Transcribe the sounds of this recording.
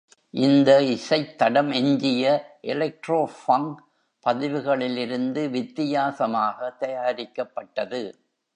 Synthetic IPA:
ʔɪnd̪ɐɪsɐɪt̪ːɐɽɐmɛɲd͡ʒɪjɐʔɛlɐk̚ʈɾoːfɐŋ | pɐðɪʋɯɣɐɭɪlɪɾɯnd̪ɯʋɪt̪ːɪjaːsɐmaːɣɐt̪ɐjaːɾɪkːɐpːɐʈːɐðɯ

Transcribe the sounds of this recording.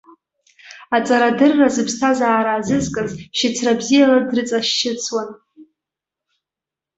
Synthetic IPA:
at͡sʼaɾadɨrːazɨpʰstʰazaːɾaːzɨzkʼɨzʃɪt͡sʰrabzijaladrɨt͡sʼaʃt͡ʃɪt͡sʰwan

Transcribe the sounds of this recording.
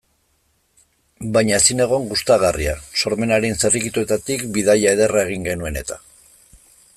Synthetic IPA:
bajɲasine̞ɣ̞o̞ŋɡust̪aɣariaso̞ɾme̞naɾe̞nserikit̪ue̞t̪at̪ikbiðaʎae̞ð̞erae̞ɣ̞iŋɡe̞nue̞ne̞t̪ḁ

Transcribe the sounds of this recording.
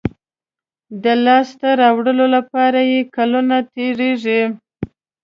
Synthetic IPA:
d̪əlɑst̪aɾɑwɽəlolapɑɾajekalunat̪eɽeʐi

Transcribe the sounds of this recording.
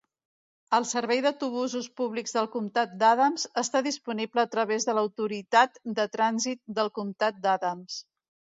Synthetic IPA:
əlˠsəɾβɛjðəwt̪uβ̞uzuspuβliɡzðəlˠkumt̪at̪̚d̪aðəmzəst̪aðispunipləːt̪ɾəβezðələwt̪uɾit̪at̪d̪ət̪ɾanzit̪̚d̪əlˠkumt̪at̪̚d̪aðəms

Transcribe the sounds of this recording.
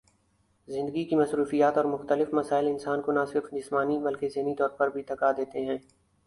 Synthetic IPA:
zɪ̃nd̪əɡikimɐsɾuːfijaːt̪ɔːɾmʊxt̪əlɪfmɐsaːɪlɪnsaːnkonasɪɾfd͡ʒɪsmaːnibɐlkezeːnit̪ɔːɾpɐɾbʱit̪ɐkad̪eːt̪eɦɛ̃ː

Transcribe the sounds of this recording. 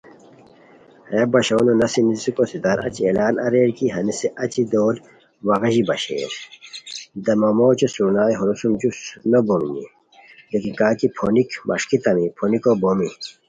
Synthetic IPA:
heːbɐɕɐwnonɐsinizikosid̪ɐɾɐ̰t͡ɕielaːnɐɾeːɽkiɦɐniseʔɐt͡ɕid̪oːl | wɐɣɐʑibɐɕḛːɾ | d̪ɐmɐmoːt͡ɕesuɾnaːiɦoɾusumd͡ʑusnobomnḭ | lekikaːkipʰoːnikmʔɐ̰ʂkit̪ɐmipʰonikobomi

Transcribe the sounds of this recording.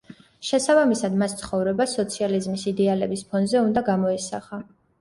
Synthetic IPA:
ʃɛsabamisad̪mast̪sʰχɔvɾɛbasɔt̪sʰializmisid̪ɛalɛbispʰɔnzɛund̪aɡamɔɛsaχa

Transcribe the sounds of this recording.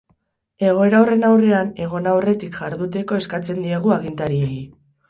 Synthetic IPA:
e̞ɣ̞o̞e̞ɾawre̞nawre̞ane̞ɣ̞o̞nawre̞t̪ikʝaɾðut̪eko̞eskat͡se̞nd̪iaɣ̞uaɣint̪aɾiei

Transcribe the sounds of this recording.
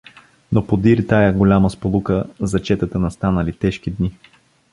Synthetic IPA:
nopod̪iɾt̪ajəɡolʲaməspolˠukəzɐt͡ʃɛt̪ət̪ənɐst̪anəlit̪ɛʃk̟id̪ni

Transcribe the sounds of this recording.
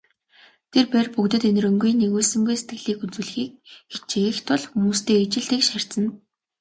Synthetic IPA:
t̪ʰerpærpukt̪ɘ̆t̪en̆rɵ̆ŋɡujneɣuːɮsɵ̆ŋɡujset̪̚ɡɘ̆ɮiːkunt͡sŭːɮ̆xiːk̚ɡet͡ɕeext̪ʊɮxumuːst̪eːet͡ɕɪ̆ɮt̪ĭːkʃar̥ʲt͡sə̆n

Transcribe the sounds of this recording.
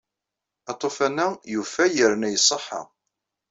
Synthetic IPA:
ɑt̪ˤːofænːæjufæjəɾnæjəsˤːəħːɑ̰

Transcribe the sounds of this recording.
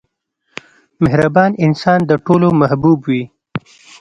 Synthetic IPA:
mɪɦɾabɑnɪnsɑnd̪əʈolomahbuːbwi

